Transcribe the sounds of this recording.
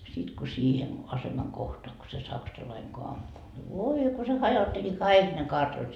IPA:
sit ko siːhen ɑsemɑŋ kohtoɑ ko se sɑksɑlɑiŋ ko ɑmpu ʋoi ko se hɑjotːeli kɑik ne kɑrtɑnot

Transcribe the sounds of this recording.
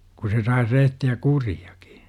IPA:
ku se sɑis rehtiæ kuriɑ̥ki̥

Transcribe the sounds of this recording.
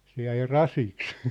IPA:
se jæi rɑsiks

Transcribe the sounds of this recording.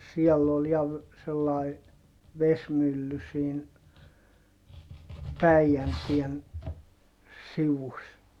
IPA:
siɛlː ol jɑ ʋ selːɑˑi ʋesmylːy siːn pæijæntien siʋus

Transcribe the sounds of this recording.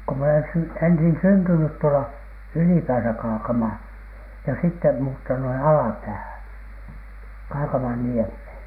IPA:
ko m olen sy ensin syntynyt tuolɑ ylipæːsæ kɑːkɑmɑː jɑ sitːe muːtːɑnu ɑlɑpæːhæn kɑːkɑmɑnːiemheˑn

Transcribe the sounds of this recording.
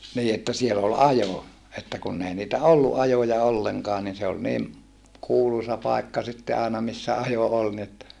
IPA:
niː etːæ siel ol ɑjo etːæ kunː ei niːtæ olːuʔ ʔɑjojɑ olːeŋkɑː nin se ol niːm kuːlusɑ pɑˑekːɑ sitːe ɑˑenɑ misːæ ɑjo ol ni etːæ

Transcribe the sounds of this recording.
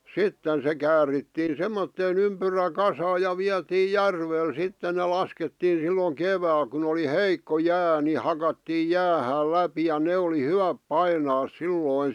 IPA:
sitːen se kæːritːiːn semːotːeːn ympyrækɑsɑː jɑ ʋiɑtiː jærʋel sitːe ne lɑsketːiːn̞ silːoŋ keʋæːl kun oli heikːo jæː ni hɑkɑtːiːj̆ jæːhæːl læpi jɑ ne oli hyʋæp pɑinɑːs silːoˑĭn̞

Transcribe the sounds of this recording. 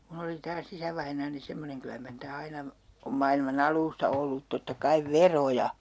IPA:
mun oli tɑːs isæʋɑinɑːni semːoneŋ kylæ mɑr niːtæ ɑinɑ om mɑilmɑn ɑlˑuːstɑ olːut totːɑ kɑiʋ ʋerojɑ

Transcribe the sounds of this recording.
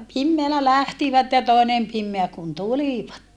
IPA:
pimːeælæ læhtiʋæt jɑ toˑenem pimːeæ kun tuliʋɑt

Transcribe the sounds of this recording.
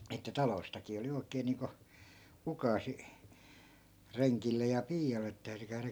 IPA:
etːæ tɑloistɑkiː oli oi̯keː niːŋko ukɑːsi reŋkilːej jɑ piːjɑlˑe et tæyty kæyræ

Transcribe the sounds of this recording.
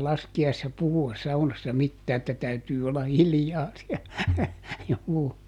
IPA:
sɑːl lɑskiɑisːɑ puhuɑs sɑunɑsːɑ mitːæː etːæ tæytyː olːɑ hiljɑː siæ juː

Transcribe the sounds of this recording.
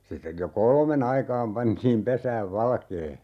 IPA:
sitːej jo kolmen ɑikɑːm pɑntiːm pesæːʋ ʋɑlkeː

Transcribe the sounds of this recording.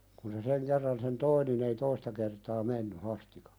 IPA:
kun se seŋ kerːɑn sen toi nin ei toistɑ kertɑː menːy hɑstikɑ̥

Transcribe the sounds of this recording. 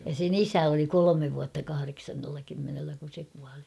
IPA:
jɑ sen isæ oli kolomeʋ ʋuɑtːɑ kɑhɑreksɑnːelːɑ kymːenelːæ kun̞ se kuɑli

